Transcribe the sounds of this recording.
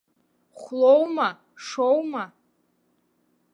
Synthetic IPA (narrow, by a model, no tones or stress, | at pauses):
χʷlowma | ʂowma